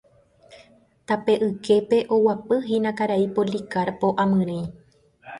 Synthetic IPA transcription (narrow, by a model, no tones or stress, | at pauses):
t̪ape̞ʔɨke̞pe̞ʔowapɨɦĩnãkaɾaipolikaɾpo̞ʔãmɨ̃ɾ̃ẽj̃